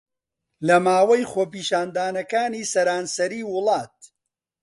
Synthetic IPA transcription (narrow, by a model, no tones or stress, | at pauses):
lɐmaːwɐjχoːpiːʃaːnd̪aːnɐkaːniːsɐɾaːnsɐɾiːwʊlˠɑːt̪̚